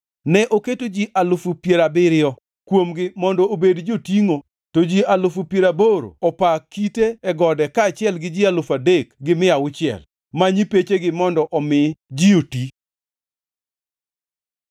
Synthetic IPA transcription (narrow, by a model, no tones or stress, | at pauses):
nɛʔoketod͡ʒiʔalʊfupjeɾabɪɾɪɔ | kwomɡɪmɔndɔobedd͡ʒotiŋo | tod͡ʒialʊfupjeɾaboɾo̰ɔpakiteɛɡɔdɛkaːt͡ʃɪɛlɡɪd͡ʒialʊfadekɡɪmɪawʊt͡ʃɪɛ̰l | maɲipet͡ʃeɡɪmɔndɔʔɔmɪd͡ʒioti